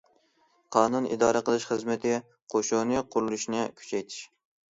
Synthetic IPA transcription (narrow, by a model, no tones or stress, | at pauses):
qʰɑːnunḭd̪ɑːɾəqəlˠɨʃχəzmɪt̪ʰɪ | qʰoʃonɨqʰʊɾlˠuʃnɨkʲʰy̥t͡ʃʰɛjt̪ʰɪ̥ʃ